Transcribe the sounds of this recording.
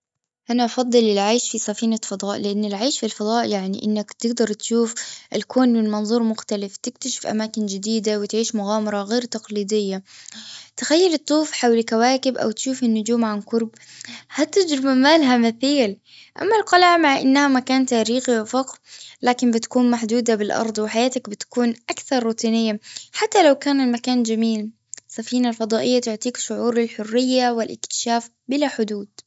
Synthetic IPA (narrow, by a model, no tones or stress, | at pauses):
ʔanaʔɑfɑd̪ˤːɨlɪlʕaːʃfisˤɑfiːnafɑd̪ˤɑːʔlɪʔanːɪlʕaːʃfilfɑd̪ˤɑːʔjaʕniʔɪnːakt̪ɪɡd̪ɑɾˤt̪ʃuːfʔɪlkʰoːnwɪlmɑnzˤuːɾˤmʊxt̪alɪft̪ɪkt̪aʃɪ̥fʔa̰maːkɪnd͡ʒɪd̪iːd̪awɪt̪ʕiːʃmʊɣaːmɑɾˤɑɣeːɾt̪ɑqliːd̪ɪjːa | t̪ɪxajːɪlɪt̪ˤːuːfħawlkawaːkɪbʔa̰wt̪ʃuːfɪnːʊd͡ʒuːmʕanqʊɾb | hat̪ɪd͡ʒɾɪbamaːlɦamaθiːl | ʔa̰mːalqɑlaʕmaʕʔɪ̰nːhamakaːnt̪aːɾiːxiwɪfɑqlaːkɪnbɪt̪kuːnmaħd̪uːd̪abɪlʔɑ̰ɾˤd̪ˤwɪħajaːt̪akbɪt̪ḁkuːnʔakθɑɾˤːuːt̪ʰiːnɪjːaħat̪ːalawkaːnɪlmakaːnd͡ʒamiːl | ɪsːafiːnalfɑd̪ˤɑːʔɪjːat̪ʊʕt̪ˤiːkʃʊʕuːɾɪlħʊrːɪjːawɪlʔɪ̰kt̪ɪ̥ʃaːf | bɪlaħʊd̪uːd̪̥̚